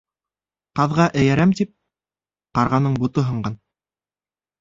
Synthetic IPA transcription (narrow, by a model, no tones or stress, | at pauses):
qɑðʁɑʔæ̆jæɾæmt̪ip̚ | qɑɾʁɑnɤɴbut̪ɤɦɤ̆ɴɢɑn